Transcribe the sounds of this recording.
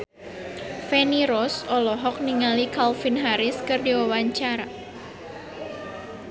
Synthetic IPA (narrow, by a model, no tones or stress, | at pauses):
fɛniɾɔsɔlɔɦɔk̚niŋalikalfinɦaɾɪskɨrdiwawaɲt͡ʃaɾa